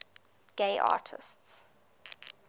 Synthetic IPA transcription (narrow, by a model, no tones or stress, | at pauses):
ɡ̥eɪʔɑ̰ːtʰɪ̰sts